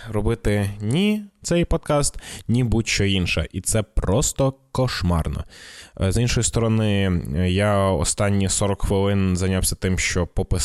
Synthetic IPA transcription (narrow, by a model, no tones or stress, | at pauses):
ɾɔbɪt̪ɪnʲit̪sɛjpɔd̪̚kɑst̪nʲibutʲʃt͡ʃt͡ʃɔinʃɛ̰ʔit̪sɛpɾɔst̪ɔkɔʃmɑ̰rnɔ̰zinʃɔjist̪ɔɾɔnɪjaɔ̰st̪ɑnʲːisɔɾɔkxʋɪlˠɪnzɐjnʲawsʲɐt̪ɪmʃt͡ʃɔpɔpɪ